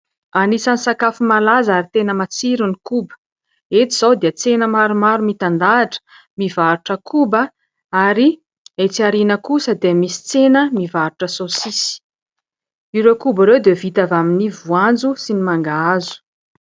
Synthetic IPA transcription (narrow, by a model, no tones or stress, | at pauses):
anisanisakafumalazaɾit̪enəmat͡siɾunikubə̥ | et͡s̪iz̥awd̪eət͡senəmaɾumaɾumit̪and̪aʈ͡ʂə̥ | mivaɾuʈ͡ʂəkʰubə | aɾi | et͡siaɾinəkusəd̪eəmisi̥t͡senəmivaɾuʈ͡ʂəsosisi̥ | iɾewkubaɾewd̪evit̪avaminivuand͡zusinimaŋɡaazu̥